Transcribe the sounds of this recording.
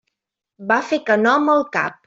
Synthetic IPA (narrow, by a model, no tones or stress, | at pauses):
bafekənɔməlˠka̰p̚